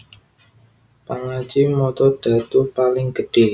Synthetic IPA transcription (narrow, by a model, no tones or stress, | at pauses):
paŋat͡ʃimɔt̪ɔɖ̥a̤t̪upalɪŋɡəɖ̥e̤h